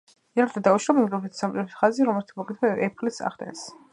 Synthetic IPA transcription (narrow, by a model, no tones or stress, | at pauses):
iaɾʰd̪ad̪auʃɾɔmɛɡʼɛpʰit̪ʰsamt͡ʃʼɛpʰit̪χaziɾɔmɛlt̪ʰmɔɡit̪ʰwɛʔɛp̚ʰlisa̰χd̪ɛ̰̃ns